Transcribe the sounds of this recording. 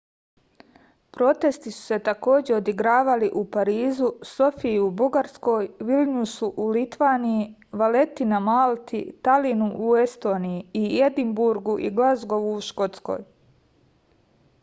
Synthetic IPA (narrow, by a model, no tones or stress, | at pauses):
pɾo̞t̪e̞st̪isu̥se̞t̪ako̞ːd͡ʑe̞o̞d̪iɡɾaːʋaliʔupaɾiːzuso̞fiubuɡaɾsko̞ːjʋilɲusuʔulit̪ʋaːniji | ʋale̞t̪inamalˠt̪ḭt̪alinuʔue̞st̪o̞ːnijiied̪imbuɾɡuʔiɡlazɡo̞ʋuːʃko̞t̪sko̞̰ːj